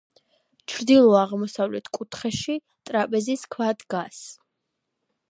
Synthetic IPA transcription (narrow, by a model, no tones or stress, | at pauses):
t͡ʃʰɾd̪ilˠɔaʁmɔsavlɛt̪ʰkʼut̪ʰχɛʃi | t̪ʼɾapʼɛziskʰvad̪ɡas